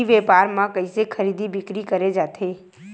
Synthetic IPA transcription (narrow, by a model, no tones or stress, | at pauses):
iʋɛpaːɾmãkə̃ĩsekʰəɾid̪ibɪkɾikəɾed͡ʒaːt̪ʰe